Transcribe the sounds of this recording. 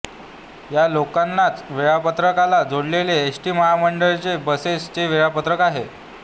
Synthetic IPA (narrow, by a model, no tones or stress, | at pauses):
jalokanːat͡sʋiɭapət̪ɾəkalad͡zoɽleleːsʈiːməɦaməɳɖəɭt͡ɕebəsest͡ɕeʋiɭapət̪ɾəkaɦe